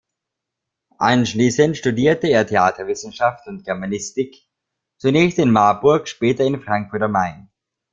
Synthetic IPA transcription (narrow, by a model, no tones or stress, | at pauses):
ʔanʃliːsəntʃtudiːɐtəeːɐtʰeaːtʰɐvɪsn̩ʃaftʊnt̚ɡ̥ɛɐmanɪstɪk | t͡sunɛːçstɪnmaɐbʊɐkʃpɛːtɐɪnfʁ̥aŋkfʊɐtɐmaɪn